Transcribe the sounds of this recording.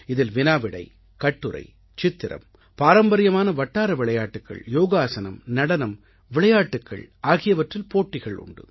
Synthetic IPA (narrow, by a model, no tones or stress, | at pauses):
ɪðɪlʋɪnaːʋɪɽɐ̰ɪ | kɐʈːɯɾɐ̰ɪ | t͡ʃɪt̪ːɪɾɐ̰m | paːɾɐmbɐɾɪjɐmaːnɐʋɐʈːaːɾɐʋɪɭɐjaːʈːɯkːɐ̰ɭjoːɣaːsɐnɐ̰mnɐɽɐnɐm | ʋɪɭɐjaːʈːɯkːɐ̰ɭaːɣɪjɐʋɐʈrɪlpoːʈːɪɣɐɭʊ̰ɳɖɯ̰